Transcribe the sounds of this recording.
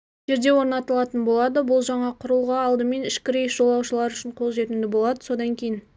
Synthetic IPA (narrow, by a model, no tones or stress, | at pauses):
ʒ̥e̞ɾd̪e̞wo̞ɾnɑt̪əlˠɑt̪ənbo̞lˠɑd̪əbʊlˠʒɑɴɑqʰʊɾəlˠʁɑːlˠd̪əme̞nɪʃkʲɪɾejsʒo̞lˠɑwʃəlˠɑɾʏʃɪɴqʰo̞lˠʒe̞t̪ɪnd̪ɪbo̞lˠɑd̪əso̞d̪ɑŋkʲʰe̞jɪn